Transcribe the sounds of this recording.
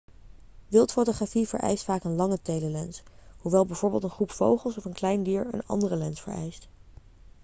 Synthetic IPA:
ʋɪlˠtfowtoχrafiv̥ə̰ɹʔɛ̰jstfaːkənlɑŋətejləlɛnsɦuʋɛlˠbɛjvoːɹbɪːlˠtənχrupfowχəlˠsɔfənklɛjndiːɹə̰nɑ̰ndərəlɛnsfə̰ɹɛ̰jst

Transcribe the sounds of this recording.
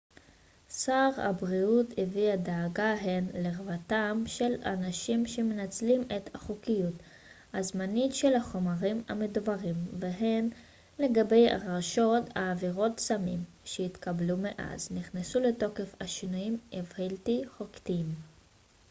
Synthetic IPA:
saʁa̰bʁiuteviadaːɡaɦenleʁvatamʃe̞la̰naʃimʃe̞menat͡slime̞thaχokijut | hazmanitʃe̞laχo̞maʁima̰medubaʁimveɦe̞n | le̞ɡabe̞ja̰ʁaʃo̞taːviʁo̞tsamim | ʃeit̪kablumeʔa̰zniχnesule̞to̞ke̞faʃinujimevhiltiχoktim

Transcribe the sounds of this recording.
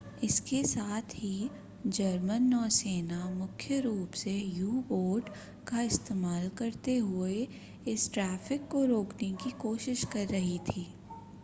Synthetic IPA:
ɪskesaːt̪ʰɦi | d͡ʒɐɾmənːɔːseːnamʊkʰjəɾuːpsejuːboːɾɖ | kaɪst̪eːmaːlkɐɾt̪eɦʊe | ɪsʈɾɛːfɪkːoɾoːknekikoːʃɪʃkɐɾːɐɦit̪ʰiː

